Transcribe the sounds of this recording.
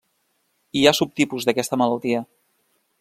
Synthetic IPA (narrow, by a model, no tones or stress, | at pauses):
iasup̚t̪ipuzðəkɛst̪əmələlˠt̪iə